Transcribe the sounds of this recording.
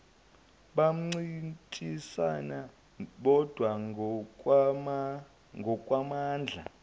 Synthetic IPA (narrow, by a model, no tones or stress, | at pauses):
ɓam̩ŋ͡ǀintʼisana | ɓɔd̥ʱwa | ŋɡʱɔkʼwamaːnd͡ɮʱa̰